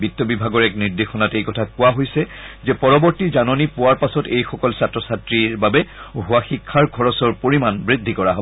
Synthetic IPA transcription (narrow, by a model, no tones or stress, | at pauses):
bitːɔbibʱaɡɔɹɛkniɹdexɔnatejkɔtʰakʊaɦojsɛzɛpɔɹɔbɔɹtizanɔnipʊwaɹpasɔtejxɔkɔlsatɹɔsatɹiɹbabɛɦʊwaxikʰːaɹɡʱɔɹɔsɔɹpoɹimanbɹidʱːikɔɹaɦobɔ